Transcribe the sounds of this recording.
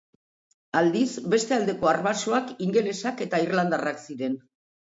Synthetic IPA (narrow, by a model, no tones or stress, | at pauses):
ald̪isbe̞st̪e̞ald̪e̞ko̞arβaso̞akiŋɡe̞lesake̞t̪airland̪araksiɾe̞n